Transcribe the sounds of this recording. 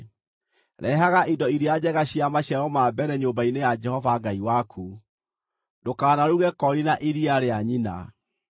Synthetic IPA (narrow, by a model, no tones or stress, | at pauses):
ɾɛɦaɣaʔidɔiɾiad͡ʑɛɣaɕiamaɕjaɾɔmabɛɾɛɲoːmbainejad͡ʒɛhɔvaɡaiwakʰu | dokaːnaɾuɣɛkɔɾinaʔiɾiaɾeaɲina̰